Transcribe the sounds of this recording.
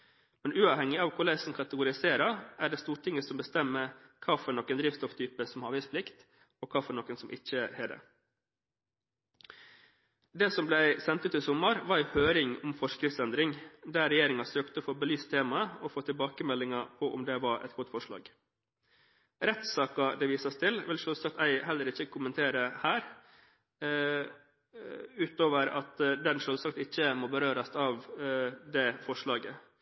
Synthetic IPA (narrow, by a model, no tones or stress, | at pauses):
mɛnʉːɑːʋhɛŋːɪɑːʋkʰʊlæɪsn̩kʰɑt̪əɡʊɾɪseːɾɑæɖɛːst̪uːʈʰɪŋəsɔmbəst̪ɛmːəkʰɑːfɔɳɔkːənd̪ɾiːʋst̪ɔft̪ʰyːpəsɔmhɑːʋæspʰlɪkt̪ | ɔkʰɑːfɔɳɔkːənsɔmʔɪçːəhɛːd̪ɛ̰ | d̪eːsɔmblæɪsɛnt̪ʉt̪ɪsʊmːɑɾʋɑɾæɪhøːɾɪŋɔmfɔʂkɾɪft̪sɛnd̪ɾɪŋd̪æːɾɛjeːɾɪŋɑsøːkt̪əɔfoːbəlyːst̪ʰeːmɑəɔfoːt̪ʰɪlbɑːkəmɛlːɪŋɑpʰɔʔɔ̰md̪ɛʋɑɾʔɛ̰t̪̚ɡɔt̪ːfɔʂɭɑ̰ːɡ | ɾɛt̪sɑːkɑd̪ɛʋiːsɑst̪ʰɪlʋɪlʂøːlsɑk̚t̪æɪhɛlːəɾɪçːəkʰʊmənt̪ʰeːɾəhæːɾ | ʉːt̪oːʋəɾɑ̰t̪d̪ɛnʂøːlsɑk̚t̪ɪçːəmoːbəɾøːɾɑsɑʋd̪ɛfɔʂɭɑːɡə